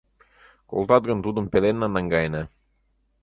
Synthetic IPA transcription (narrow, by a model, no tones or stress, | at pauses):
ko̰lˠt̪ɑt̪̚ɡə̆nt̪ud̪ə̆mpelenːɑnɑŋɡɑjnə